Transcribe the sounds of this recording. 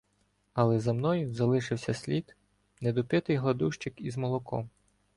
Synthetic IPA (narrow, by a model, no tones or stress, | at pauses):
ɐlˠɛzɐmnɔjʊzɐlˠɪʃɪwsʲɐsʲlʲit̪ | nɛd̪ɔpɪt̪ɪjɦlˠɐd̪uʃt͡ʃɪkizmɔlˠɔkɔ̰m